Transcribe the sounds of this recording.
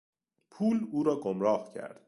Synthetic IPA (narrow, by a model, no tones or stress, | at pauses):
pʰuːluːɾɒːɡomɾɒːhcʰæ̰ɾd̪̥